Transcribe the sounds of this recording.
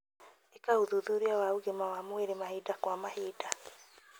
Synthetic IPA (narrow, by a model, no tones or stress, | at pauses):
ekahuðuðuɾiawauɣemawamweɾemaɦidakwamahiːda